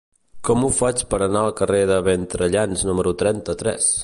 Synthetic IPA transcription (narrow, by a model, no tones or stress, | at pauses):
kɔmufat͡ʃpəɾənaəlˠkəreðəβent̪ɾəʎanznuməɾut̪ɾɛnt̪ət̪ɾɛ̰s